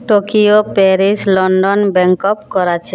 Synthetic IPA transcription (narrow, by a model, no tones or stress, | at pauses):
ʈokiopɛɾislɔɳɖonbɛŋkopkɔɾat͡ɕʰe